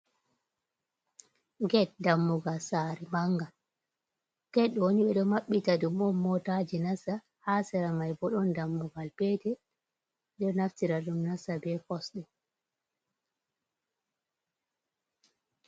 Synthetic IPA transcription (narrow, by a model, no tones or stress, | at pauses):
ɡɛt̚damːuɡalsaːɾɛmaŋɡa | kɛɗwoniɓɛɗɔmaɓːitaɗumɔmːɔtad͡ʒinasa | hasɛɾamajbɔɗɔndamːuɡalpɛtɛ | ɗɔnaftiɾaɗumnasabɛkɔsɗɛ